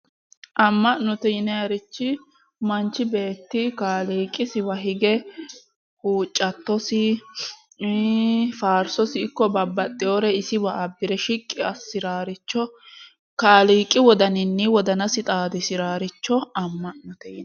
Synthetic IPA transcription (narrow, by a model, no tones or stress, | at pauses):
ʔɐmːɐʔnʊt̪ɛjɪnɛjɐɾɪt͡ʃːɪ | mɐnt͡ʃːɪbe̞ːt̪ːɪkaːliːkʼːɪsɪwɐɦɪɡɛ | huːt͡ʃʼːɐt̪ːɔsɪ | faːɾsɔsɪːkːɔbɐbːɐt̪ʼːɪjoɾɛɪsɪbɐɐbːɪɾɛʃɪkʼːɪɐsːɪɾaːɾɪt͡ʃːɔ | kaːliːkʼːɪwɔd̪ɐnɪnːɪwɔd̪ɐnɐsɪt̪ʼaːd̪ɪsɪɾaːɾɪt͡ʃːɔɐmːɐʔnʊt̪ɛjɪn